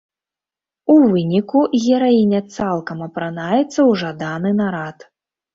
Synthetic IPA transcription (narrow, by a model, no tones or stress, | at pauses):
uvɨnʲikuɣʲɛɾainʲɐt̪salˠkɐmɐpɾanajɛt̪sːɐwʐad̪anɨnaɾat̪